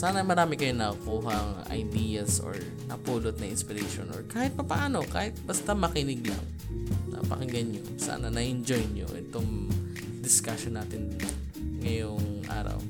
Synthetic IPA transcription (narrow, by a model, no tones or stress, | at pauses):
saːnɐmɐɾaːmɪkɐjonɐkuːɦɐŋʔɐ̰jd̪iːjɐsʔo̰ɹ | nɐpuːlot̪̚nɐʔɪnspɪɾɛʃonʔoɹkaːhɪt̪̚pɐpɐʔaːno̞ka̰ːhɪt̪̚bɐst̪amɐkɪnɪɡ̚lɐ̰ŋ | nɐ̰pɐkɪŋɡɐnɲo | sa̰ːnɐnɐʔɛnd͡ʒojɲo̰ʔɛ̰t̪oŋ | d̪ɪskaʃonaːt̪ɪn | ŋɐjoŋʔa̰ːɾɐ̰w